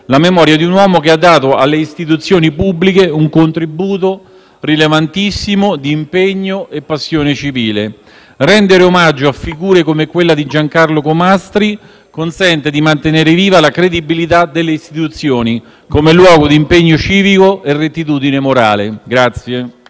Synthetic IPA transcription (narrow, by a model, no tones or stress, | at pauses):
lamemɔːɾjad̪iunwɔːmokead̪ːaːt̪oalːeist̪it̪̬ut̪sːjoːnipubːlikeuŋkont̪ɾibuːt̪o | rilevant̪isːimod̪iːmpeɲːoepːasːjoːnet͡ʃiviːlḛ | rɛnd̪eɾeomad͡ʒːoafːiɡuːɾekomekːwelːad̪id͡ʒaŋkarlokomast̪ɾi | konsɛnt̪ed̪imant̪eneːɾeviːvalakɾed̪ibilit̪ad̪elːeist̪it̪ut̪sːjoːni | komelwɔːɡod̪impeɲːot͡ʃiːvikoʔerːet̪ːit̪uːd̪inemoɾa̰ːlḛɡɾat̪sːje